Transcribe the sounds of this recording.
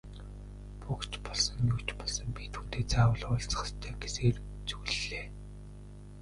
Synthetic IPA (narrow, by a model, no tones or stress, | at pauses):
pukt͡ɕpɔɮsɞ̆ŋjukt͡ɕpɔɮsɞ̆mpit̪ʰxuːt̪eːt͡saːwə̆ɮʊːɮt͡sχə̥̆st̪ʰæːɡeseːr | t͡suɮːeː